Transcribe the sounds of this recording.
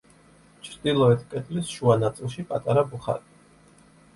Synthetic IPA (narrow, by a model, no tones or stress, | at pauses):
t͡ʃʰɾd̪ilˠɔɛt̪ʰkʼɛt̪ʼlisʃuanat̪sʼilˠʃipʼat̪ʼaɾabuχa̰ɾi